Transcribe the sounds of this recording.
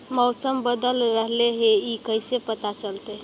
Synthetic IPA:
mɔwsəmbəd̪əlɾəɦleɦeikəjsepət̪at͡ʃəlt̪e

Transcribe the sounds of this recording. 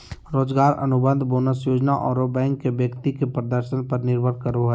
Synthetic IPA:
ɾoːd͡ʒɡaːɾɐ̰nʊbə̃nd̪ʱboːnəsjoːd͡ʒnaʔɔːɾobɛ̃ːŋkːebjəkt̪ikepɾəd̪əɾʃənpɐɾnɪɾbʱəɾkəɾoɦɛː

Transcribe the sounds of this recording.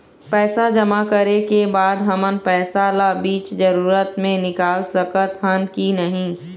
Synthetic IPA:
pɛːsad͡ʒɐmakəɾekebaːd̪ɦɐmənpɛːsalabiːt͡ʃd͡ʒəɾuːɾət̪mẽnɪkaːlsɐkət̪hənkinɐɦĩː

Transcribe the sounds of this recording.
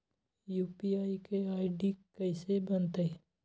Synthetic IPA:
juːpiaːikeaːiɖikəɪsebɐnt̪ee

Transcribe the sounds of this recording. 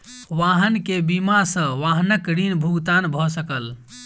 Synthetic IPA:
ʋaɦənkebimasə̃ʋaɦnəkɾinbʱuɡt̪anbʱɔsəkəl

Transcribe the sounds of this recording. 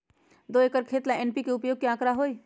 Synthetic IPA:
d̪oekəɾkʰeːt̪laenpikeʊpjoːɡ̚kjaːkɾaɦoːi

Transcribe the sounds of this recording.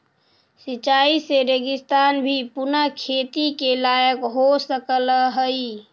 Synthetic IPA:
sit͡ʃaiseɾeɡɪst̪anbʱipunəkʰet̪ikelajəkɦosəkələɦəi

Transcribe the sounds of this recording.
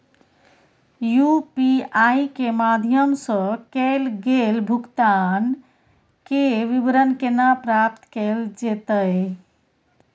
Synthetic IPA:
jupiajkemad̪ʱjəmsə̃kɛlɡelbʱukt̪an | keʋibɾənkenapɾap̚t̪kɛld͡ʒet̪əj

